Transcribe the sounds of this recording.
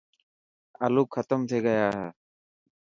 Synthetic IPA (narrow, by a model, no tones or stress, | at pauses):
əluːkʰːət̪əmt̪ʰeːɡəjaːɦɛː